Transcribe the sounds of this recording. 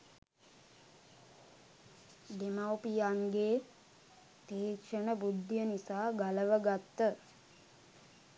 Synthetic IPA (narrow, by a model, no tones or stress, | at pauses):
d̪emawpijaŋɡeː | t̪eːkʃəɳəbud̪ːjənisaːɡaləʋəɡat̪ːə